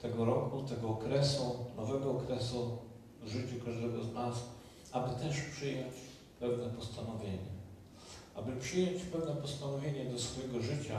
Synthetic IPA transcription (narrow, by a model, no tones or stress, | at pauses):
t̪ɛɡɔɾɔkut̪ɛɡɔːkɾɛsunɔvɛɡɔːkɾɛsu | ʐɘt͡ɕukaʐd̪ɛɡɔznas | abɘt̪ɛʂpʂɘjɔ̃ɲt͡ɕ | pɛvnɛpɔst̪anɔvʲjeɲɛ | ʔabɘpʂɘjɔ̃ɲt͡ɕpɛvnɛpɔst̪anɔvʲjeɲɛd̪ɔsfɔjɛɡɔʐɘt͡ɕa